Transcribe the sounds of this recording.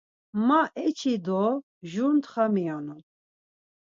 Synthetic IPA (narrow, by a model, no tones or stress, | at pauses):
maʔɛt͡ʃʰid̪ɔ | ʒunt̪χamianun